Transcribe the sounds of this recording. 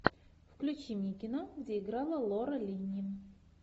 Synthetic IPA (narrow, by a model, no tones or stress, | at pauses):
fklʲut͡ɕimʲikʲinoɡdʲeiɡɾɑlˠəlˠoɾəlʲinʲi